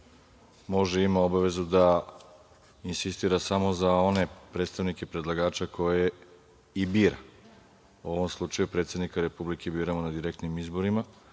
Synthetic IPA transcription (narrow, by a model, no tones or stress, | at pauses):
mo̞ʒeimao̞baʋe̞zud̪a | insist̪iːɾasamo̞zao̞ne̞pɾed̪st̪aʋnike̞pɾe̞d̪lˠaɡaːt͡ʃakʰo̞je | ibiːɾa̰ | uo̞ʋo̞mslˠut͡ʃajupɾe̞t̪se̞d̪nikaɾe̞publike̞biːɾamonad̪iɾek̚t̪nimizbo̞ɾima